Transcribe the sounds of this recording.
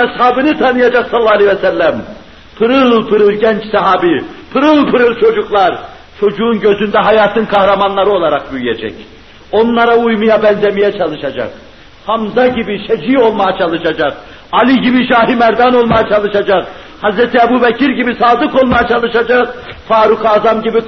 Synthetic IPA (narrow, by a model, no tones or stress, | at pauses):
ɛshaːbɯnɯt̪ʰanɯjad͡ʒaqsalˠːaalʲevɛsælːæm | pʰɯɾɯlˠpʰɯɾɯlˠɟɛnt͡ʃsaɦaːbipʰɯɾɯlˠpʰɯɾɯlˠt͡ʃʰo̞d͡ʒuklˠaɾ | t͡ʃʰo̞d͡ʒuːnɟø̞zynd̪ɛɦajaːt̪ʰɯnkʰahɾamanlˠaɾɯo̞lˠaɾaq̚byjjɛd͡ʒɛ̰c | o̞nlˠaɾaujmɯjabɛnzemijɛt͡ʃʰalˠɯʃad͡ʒa̰q | hamzaɟibiʃɛd͡ʒio̞lˠmajat͡ʃʰɑlˠɯʃad͡ʒaq | alʲiɟibiʃaːɦimæɾd̪ano̞lˠmajat͡ʃʰalˠɯʃad͡ʒaq | hazɾɛt̪ʰiɛbubɛcʰiɾɟibisaːd̪ɯko̞lˠmajat͡ʃʰalˠɯʃad͡ʒaqfaːɾukʰaːzamɟibi